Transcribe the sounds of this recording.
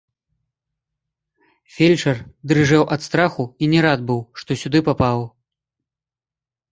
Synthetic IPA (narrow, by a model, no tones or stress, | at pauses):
fʲelʲt͡ʂɐrd̪rɨʐɛwʔɐt̪st̪ɾaxuinʲɛɾad̪̚bɨwʂt̪ɔsʲud̪ɨpapaw